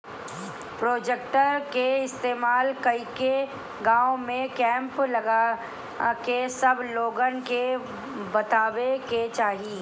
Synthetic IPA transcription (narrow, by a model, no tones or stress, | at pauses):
pɾoːd͡ʒek̚ʈəɾkeɪst̪eːmaːlkɐike | ɡãːõmẽkɛ̃ːmplɐɡa | kesɐbloːɡənke | bɐt̪aːweket͡ʃaːɦi